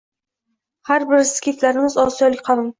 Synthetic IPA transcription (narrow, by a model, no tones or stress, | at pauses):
haɾbɪɾskʲʰet̪laɾɪmɪzɒsijɒlˠɪkʲqʰɑlˠɪm